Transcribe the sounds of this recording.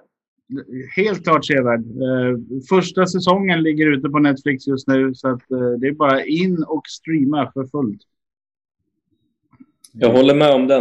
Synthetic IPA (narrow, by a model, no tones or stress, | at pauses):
heːlt̪̚kʰlɑːʈʂeːvæːɖ | fœʂʈasɛsɔŋːənlɪɡːəɾʉ̟ːt̪əpɔnɛt̪flɪksjɵst̪nʉ̟ːsɔat̪d̪ɛːɾbɑːɾaʔɪnːɔkst̪ɾiːmafœɾfɵlt̪ | jɑːɡɦɔlːəmɛɔmd̪ɛ